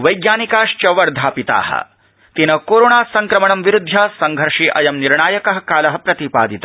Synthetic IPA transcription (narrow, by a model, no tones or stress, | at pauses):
ʋɐjɡjaːnikaːʂt͡ʃɐʋɐɾd̪ʱaːpit̪a̰ːɦɐ̰ | t̪inɐkoːɾoːɳaːsɐŋkɾɐmɐɳɐmʋiɾud̪ʱːɐsɐŋɡʱɐɾʂiːʔɐjɐmniɾɳaːjɐkɐɦɐkaːlɐɦɐ̆pɾɐt̪ipa̰ːd̪it̪a